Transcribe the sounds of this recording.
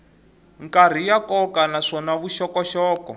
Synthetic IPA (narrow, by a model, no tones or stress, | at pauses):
ŋkar̤ijakɔkanaʂɔnaβuʃɔkɔʃɔːkɔ